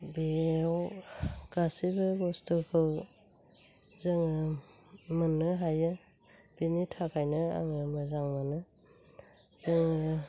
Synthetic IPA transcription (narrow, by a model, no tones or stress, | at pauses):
bewkasibɯɡɔstukʰɯw | zɯŋɯ | mɯnːɯɦajɯ | b̥initʰakʰajnɯa̰ŋɯmɯzaŋmanɯ | zɯŋɯ